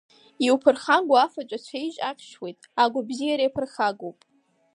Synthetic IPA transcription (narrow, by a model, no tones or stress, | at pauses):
iwpʰɨrχaŋɡʷaafat͡ʃʷʼat͡ɕʷʰejʒʼaqʲʰʃwe̞jtʼaɡʷabzijaɾijapʰɨrχaɡowpʼ